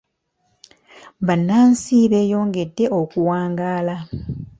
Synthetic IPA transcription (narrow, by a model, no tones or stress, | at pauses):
βanːaːnsiːβe̞ːjo̞ːŋɡe̞dːe̞ʔo̞kuwaːŋɡaːla